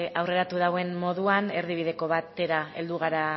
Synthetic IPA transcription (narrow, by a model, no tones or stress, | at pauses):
awre̞ɾat̪uðawe̞nmo̞ðuane̞ɾðiβ̞iðe̞ko̞βat̪e̞ɾae̞̰ld̪uɣ̞aɾa